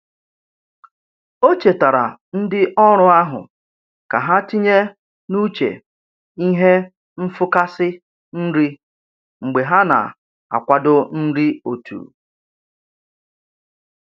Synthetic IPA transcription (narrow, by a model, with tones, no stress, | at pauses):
o˦t͡ʃe˨ta˨ɾa̰˨n̩˦dɪ˦ʔɔ˦ɾʊ˦a˦ɦʊ̰˨ | ka˨ɦa˦ti˦ɲe˦ | nu˦t͡ʃḛ˨ | i˦ɦe˦ | m̩˦fʊ˦ka˦sɪ˦ | n̩˦ɾi˦ | ŋ͡m̩˨ɡ͡be˨ɦa˦na̰˨ | a̰˨kʷa˦dʊ˦n̩˦ɾi˦o˨tṵː˨